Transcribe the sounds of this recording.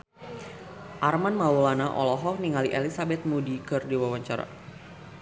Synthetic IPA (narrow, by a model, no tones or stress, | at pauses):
ʔarmanmaulanaʔɔ̰lɔɦɔhniŋaliʔelisabɛt̪̚mudikɨrdiwawaɲt͡ʃaɾa̰